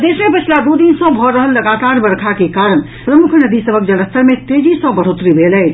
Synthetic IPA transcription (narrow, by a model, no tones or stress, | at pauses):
d̪esmepət͡ʃʰlad̪ud̪insə̃bʱɔɾəɦəlːəɡat̪aɾbəɾkʰakekaɾəɽ | pɾəmukʰnəd̪isəbʱəkd͡ʒəɽəst̪əɾmet̪ed͡ʒisə̃bəɽ̤ot̪ɾibʱelɛɪt͡ʃʰ